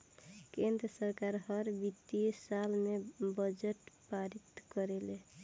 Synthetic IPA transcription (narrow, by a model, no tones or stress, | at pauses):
kend̪ɾəsəɾkaɾɦʌɾbit̪isalmebəd͡ʒeʈpaɾit̪kəɾele